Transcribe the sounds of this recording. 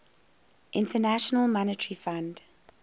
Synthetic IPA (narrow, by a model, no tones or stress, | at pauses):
ʔɪ̃ntʰənæʃənəlˠmɔnətəɹifãnd